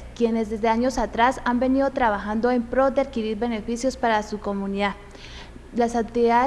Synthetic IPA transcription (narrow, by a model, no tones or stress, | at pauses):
kje̞nezðe̞zðeaɲo̞sat̪ɾasambe̞niðo̞t̪ɾaβaxand̪o̞empɾod̪e̞aðkiɾiɾβe̞ne̞fisjo̞spaɾasuko̞mũniða | lasat̪ia